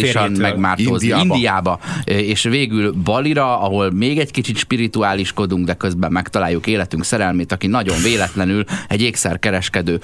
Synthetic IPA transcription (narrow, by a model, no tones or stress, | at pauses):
iʃɒnmɛɡmaːrt̪oːzind̪ijaːbɒeːʃveːɡylbɒliɾɒɒɦo̞lmeːɡɛckit͡ʃit̪ʃpiɾit̪uaːliʃko̞d̪uŋɡd̪ɛkø̞zbɛmːɛkt̪ɒlaːjːukeːlɛt̪yŋksɛɾɛlmeːt̪ɒkinɒɟo̞ɱveːlɛt̪lɛnylɛɟeːksɛrkɛɾɛʃkɛd̪øː